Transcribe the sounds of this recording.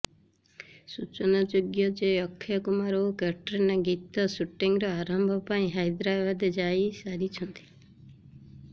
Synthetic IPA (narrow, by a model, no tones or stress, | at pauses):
sut͡ʃɔnad͡ʒoɡjɔd͡ʒeɔkʰːjɔkumaɾokɛʈɾenaɡit̪ɔsuʈːiŋɾɔaɾɔmbʱɔpaĩɦajd̪ɾabad̪ed͡ʒajsaɾit͡ʃʰɔnt̪i̥